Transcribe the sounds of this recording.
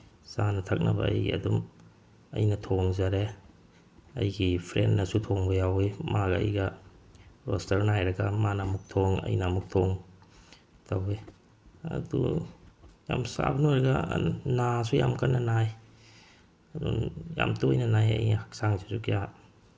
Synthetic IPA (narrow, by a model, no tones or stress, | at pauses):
sanɐtʰɐk̚nɐ̰bɐ̰ɐ̰jɡḭɐ̰dum | ɐ̰jnɐtʰoŋzaɾe | ɐ̰jɡipʰɾenːɐsutʰoŋbɐjawimaɡɐɐ̰jɡɐ | ɾostɐɾnajɾɐɡɐmanamuk̚tʰoŋɐ̰jnamuk̚tʰoŋ | tʰawi | ɐ̰dṵ | ja̰msa̰bnojɾɐɡɐ̰nasujamkanːɐnaj | ɐdṵnja̰mtojnɐnajɐ̰jnɐhak̚saŋsesukja